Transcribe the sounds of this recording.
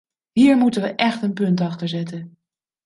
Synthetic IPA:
ɦiːɹmutənʋəʔɛχtənpɵntɑχtəɹzɛtən

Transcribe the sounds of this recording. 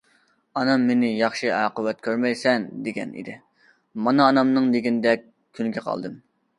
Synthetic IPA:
ɑnɑmːenɪjɑχʃiɑːqəwɛt̪̚kʲʰøɾmɛjsɛnd̪eɡʲɛ̰nḭd̪ɪ | mɑnɑːnɑmnɨŋd̪eɡʲinɪd̪ɛk̚ʲ | kʲʰːynɡʲɛqʰɑ̰lˠd̪ɨm

